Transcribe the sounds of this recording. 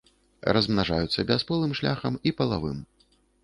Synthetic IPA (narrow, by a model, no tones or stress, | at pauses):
rɐzmnaʐajut̪sːɐbʲɛspɨlˠɨmʂlʲaxɐmipɐlˠavɨ̰m